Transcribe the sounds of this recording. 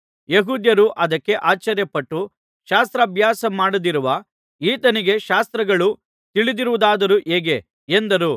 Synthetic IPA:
jeɦuːd̪jɐɾuʔɐd̪ɐkːe̞ʔaːt͡ʃɐɾjɐpɐʈːu | ʃaːst̪ɾɐːbʱjaːsɐmaːɽud̪iɾuʋɐ | iːt̪ɐniɡe̞ʃaːst̪ɾɐɡɐɭu | t̪iɭid̪iɾuʋud̪aːd̪ɐɾuʔeːɡe̞ | end̪ɐɾu

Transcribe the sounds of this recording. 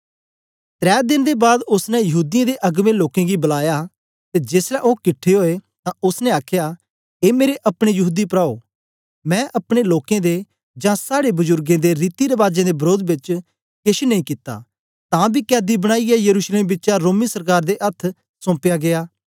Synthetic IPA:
t̪ɾɛːd̪ɪnd̪ebaːd̪ʊsnɛ̃jɐɦuːd̪ɪjãd̪eʔɐɡmẽloːkẽɡibɐlaːja | t̪ed͡ʒeːslɛ̃ʔokɪʈʰːeɦoːet̪ãʊsnɛ̃aːkʰja | eːmeːɾeʔɐpɽ̃ejɐɦuːd̪ipɾaːo̰ | mɛ̃ːʔɐpɽ̃eloːkẽd̪e | d͡ʒãːsaːɽebʊzʊɾɡẽːd̪eɾiːt̪iɾəʋaːd͡ʒẽd̪ebɐɾoːd̪bɪt͡ʃ | kɪʃinɐĩːkɪt̪ːa̰ː | t̪ãːbʱikɛːd̪ibɐɽ̃aːiɛjɐɾuːʃleːmbɪtːʃaɾoːmisɐɾkaːɾd̪eʔɐt̪ʰ | sɔ̃ːpjaɡeaː

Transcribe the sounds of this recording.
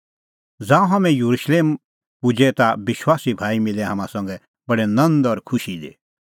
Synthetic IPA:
d͡zãːũɦɐmɛ̃juɾuʃleːm | pʊd͡ʒɛt̪abɪʃwaːsibʱaːimɪlɛɦɐmãsɐ̃ŋɡɛ | bɐɽɛnɐ̃nd̪ɔɾkʰʊʃid̪ḛː

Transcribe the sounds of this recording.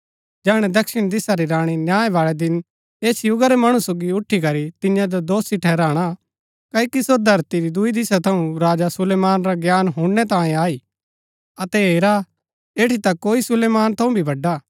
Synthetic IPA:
d͡ʒɛːɽ̃ɛd̪ɐkʃɪɽ̃d̪ɪsaɾiɾaːɽ̃injaːẽʋaːɭɛd̪ɪn | eːsjʊɡaɾɛmɐɽ̃ũsoːɡiʊʈʰːikɐɾit̪ɪjãd̪od̪oːsiʈʰɛːɾaːɽ̃a | kaikisoɾd̪ʱɐɾt̪iɾid̪ʊid̪ɪsat̪ʰɐũɾaːd͡ʒasʊleːmaːnɾaɡjaːnɦʊ̃ɽɛt̪ãːĩaːiː | ɐt̪ɛɦeːɾa | eːʈʰit̪akoːisʊleːmaːnt̪ʰɐũbʱibʱɐɖa

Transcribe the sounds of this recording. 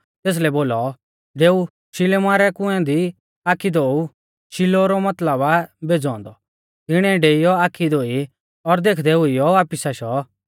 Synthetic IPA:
t̪eːs̬lɛboːlɔ | ɖeːu | ʃɪlemaːɾɛkʊ̃ɛ̃d̪i | aːkʰːid̪oːu | ʃilɔɾɔmɐt̪ləbabeːd͡zɔ̃ːnd̪ɔ | ɪɽ̃ɛ̃ɖeːijɔaːkʰid̪oːi | ɔɾd̪eːkʰd̪ɛɦʊijɔaːpisaʃɔ

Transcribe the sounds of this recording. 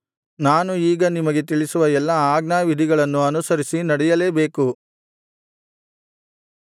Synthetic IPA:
naːnuiːɡɐnimɐɡe̞t̪iɭisuʋɐɛlːɐaːɡnaːʋid̪ʱiɡɐɭɐnːuɐnusɐɾisinɐɽɛjɐle̞ːbe̞ːku

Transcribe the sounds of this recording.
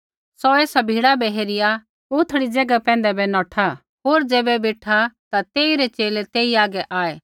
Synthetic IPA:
sɔeːsabʱiːɽabɛɦeːɾɪja | ʊt̪ʰəɽid͡ʒɐɡapɛ̃ːnd̪ɛbɛnɔ̃ːʈʰa | ɦoːɾd͡ʒeːbɛbeːʈʰat̪at̪eːiɾɛt͡ʃeːlet̪eːiaːɡɛʔaːeː

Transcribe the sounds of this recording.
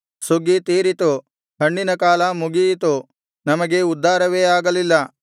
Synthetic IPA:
suɡit̪iːɾit̪u | hɐɳːinɐkaːlɐmuɡijit̪u | nɐmɐɡe̞ud̪ʱːaːɾɐʋeːaːɡɐlilːɐ

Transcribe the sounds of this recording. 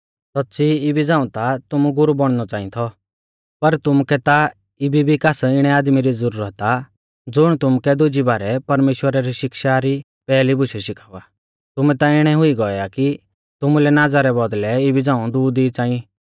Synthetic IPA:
sɔtːsʰiɪbid͡zãːũt̪at̪ʊmuɡʊɾubɔɽ̃nɔt͡saːĩt̪ʰɔ | pɐɾt̪ʊmkɛt̪a | ɪbibʱikaːsɪɽ̃ɛaːd̪miɾid͡zɔɾuːɾət̪a | d͡zʊɽ̃t̪ʊmkɛd̪ʊd͡ʒibaːɾɛpɐɾmeːʃwəɾaɾiʃɪkʃaɾi | pɛːlibʊʃɛʃɪkʰaːʋaː | t̪ʊmɛ̃t̪aɪɽ̃ɛɦʊiɡɔjaki | t̪ʊmulɛnad͡zaɾɛbɔd̪lɛɪbid͡zãːũd̪uːd̪it͡saːĩ

